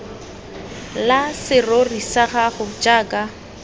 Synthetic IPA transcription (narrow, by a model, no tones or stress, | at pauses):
lasɪrorisaχaχʊd͡ʒaːkʼa